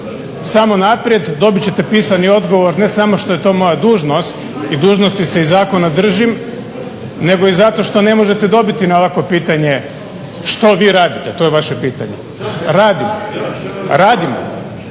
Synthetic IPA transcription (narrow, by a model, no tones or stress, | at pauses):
samo̞napɾije̞d̪d̪o̞bit͡ɕe̞t̪e̞piːsanio̞d̪ɡo̞ʋo̞ɾne̞samo̞ʃt̪o̞je̞t̪o̞ːmo̞jad̪uːʒno̞st̪ | id̪uːʒno̞st̪ise̞izaːko̞nad̪r̩ʒim | ne̞ɡo̞izat̪o̞ʃt̪o̞ne̞mo̞ʒe̞t̪e̞d̪o̞bit̪inaʋako̞piːt̪aɲe̞ | ʃt̪o̞ʋiːɾaːd̪it̪et̪o̞ːjeʋaʃe̞piːt̪a̰ɲḛ | ɾaːd̪imo | ɾaːd̪imo̰